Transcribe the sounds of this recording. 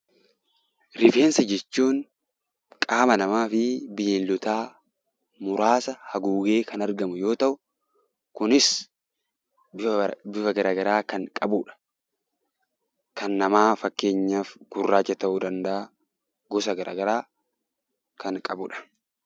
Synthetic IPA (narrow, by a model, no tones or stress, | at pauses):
ɾɪfe̞ːnsɐd͡ʒɛt͡ʃːuːn | kʼaːmɐnɐmaːfɪbɪjenlʊt̪aː | mʊɾaːsɐhɐɡuːɡe̞ːkɐnɐɾɡɐmʊjo̞ːt̪ɐʔʊ | kʊnɪs | bɪfɐɡɐɾaːɡɐɾaːkɐŋkʼɐbuːᶑɐ̥ | kɐnːɐmaːfɐkːe̞ːɲːaːfɡ̥ʊrːaːt͡ʃːɐt̪ɐʔʊd̪ɐnd̪ɐʔa | ɡɔsɐɡɐɾa̰ːɡɐɾaː | kɐŋkʼɐbʊ̰ᶑɐ̥